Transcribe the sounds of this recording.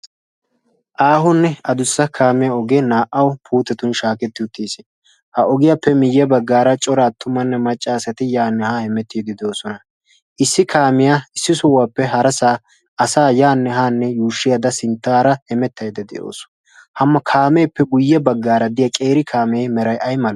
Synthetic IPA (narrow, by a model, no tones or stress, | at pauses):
ʔaːɦʊnːɛɐd̪ʊsːɐkʰaːmɛjɐɔɡenaːʔɐwpʰuːt̪ːɛt̪ʊnʃaːkɛt̪ːɪʊt̪ːiːsɪ | hɐʔɔɡɪjapːɛmɪjːɛbɐɡːaːɾɐt͡ʃʼɔɾaːt̪ːʊmɐnːɛmɐt͡ʃʼːaːsɐt̪ɪjaːnːɛhahɛmɛt̪ːiːd̪ɪd̪ɛoːsɔnɐ | ʔɪsːɪkʰaːmɪjaɪsːɪsɔwaːpːɛɦɐɾɐsaː | ɐsaːjaːnːɛɦaːnːɛjuːʃːɪjad̪ɐsɪnt̪ːaːɾɐhɛmɛt̪ːɐjd̪ɛd̪ɛ̰jo̰ːs | hɐmːɐkʰaːme̞ːpːɛɡʊjːɛbɐɡːaːɾɐd̪ɪjɐkʼe̞ːɾɪkʰaːmeːmɛɾɐjʔɐjmɐl